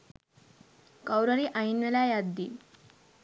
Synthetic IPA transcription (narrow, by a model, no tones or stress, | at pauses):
kawɾəɾiːʔainʋelajad̪ːiː